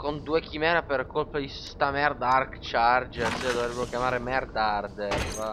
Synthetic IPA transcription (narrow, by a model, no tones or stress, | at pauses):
kond̪uːekimɛːɾaperkolpad̪isst̪amɛrd̪arkt͡ʃard͡ʒersed̪ovɾebːeɾokjamaːɾemɛrd̪ard̪er